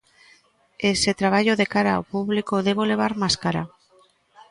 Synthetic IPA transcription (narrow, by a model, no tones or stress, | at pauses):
eset̪ɾaβ̞aʎoðekaɾaa̰opuβlikoðeβ̞ole̞β̞aɾmaskaɾa̰